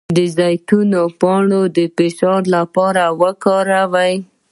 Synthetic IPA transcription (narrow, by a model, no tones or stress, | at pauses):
d̪əzɑjt̪unopɑɳod̪əpɪʃɑɾlapɑɾawəkɑɾawaj